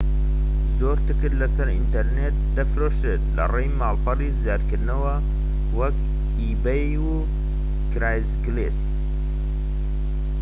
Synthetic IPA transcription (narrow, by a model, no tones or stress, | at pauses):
zoːɾt̪ɨkɨɾlɐsɐɾint̪ɐɾneːt̪̚d̪ɐfɾoʃɨtlɐ̰rejmaːlpɐrizjɑːd̪kɨɾnɐwɐ | wɐk | iːbej | u | kɾaːjzɡles